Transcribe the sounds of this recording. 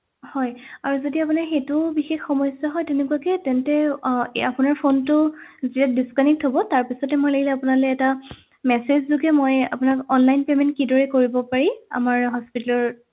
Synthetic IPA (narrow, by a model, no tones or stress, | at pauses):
hɔjaɹuzodiapunaɹxetʊbixexxɔmɔjsjɔɦɔjtɛnekuwakɛtɛntɛapʊnaɹpʰontʊzitat̚diskanik̚tɦobɔtaɹpisɔtɛmojlaɡʱilɛapʊnalɛɛta | mɛsezzuɡɛmoja̰pʊnakɔnlajnpemɛntkidɔɹɛkoɹibɔpaɹĩa̰maɹɦɔspitalɔɹ